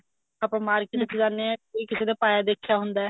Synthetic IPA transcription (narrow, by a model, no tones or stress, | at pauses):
apɽ̃maːɾkɪet͡ʃd͡ʒaːnːeɛ̃ːiːkɪseːd̪eːpaːjaːd̪eːkʰejaːɦʊnd̪aɛ